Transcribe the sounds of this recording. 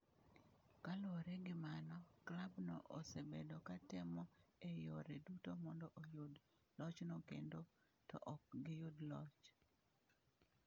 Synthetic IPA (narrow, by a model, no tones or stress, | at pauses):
kaloɾɛɡɪmanɔklabnɔ̰ʔosebedokatɛmɔejoɾedutomɔndɔʔojod | lɔt͡ʃnokḛndo | tɔ̰ʔɔk̚ɡɪjʊdlɔt͡ʃ